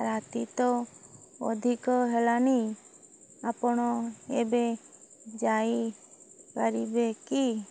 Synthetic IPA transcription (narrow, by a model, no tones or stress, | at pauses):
ɾat̪it̪o | ɔ̰d̪ʱikɔɦɛlani | apɔɳ̃ɔebe | d͡ʒai | kəɾibeki